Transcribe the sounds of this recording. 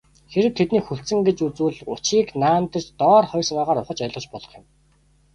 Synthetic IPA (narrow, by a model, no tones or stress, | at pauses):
xeɾɘ̆w̚t̪ʰet̪niːxuɬsɘ̆ŋɡet͡ɕut͡suːɮʊt͡ɕiːknaːnt̪ə̆t͡ɕt̪ɔːrχɔjrsamaːʁaːɾʊχə̆t͡ɕœ̆ɮʁə̆t͡ɕpɔɮɞ̆χjʊ̆m